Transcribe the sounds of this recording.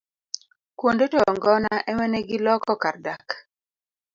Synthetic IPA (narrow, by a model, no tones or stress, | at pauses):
kwondotɔŋɡɔnaʔɛŋɛnɛɡɪlɔkɔkardak